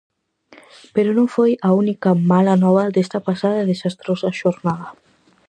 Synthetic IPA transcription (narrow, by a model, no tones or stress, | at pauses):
peɾonõŋfojaunikɐmalanɔβɐd̪est̪ɐpasaðɐeðesast̪ɾosaʃoɾnaðɐ